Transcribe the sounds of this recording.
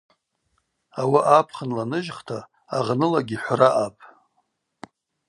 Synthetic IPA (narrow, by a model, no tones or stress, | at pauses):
awaʔapʰχənlanɨʒχtʰaː | ʁnɨlaɡʲiħʷraʔapʼ